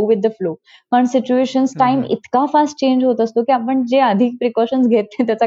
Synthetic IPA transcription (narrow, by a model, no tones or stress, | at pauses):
ʋɪd̪ːəfloː | kaɾəɳsit͡ɕueɕənsʈaimḭt̪kafasʈ̚t͡ɕẽɲd͡ʑɦot̪əst̪okiapəɳd͡ʑeəd̪ʱik̚pɾikɔɕənsɡʱet̪et̪jat͡sa